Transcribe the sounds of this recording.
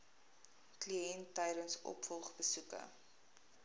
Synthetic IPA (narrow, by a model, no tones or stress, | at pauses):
kliɛntːɛjɾənsʔɔ̰pfɔlˠχbəsukə̰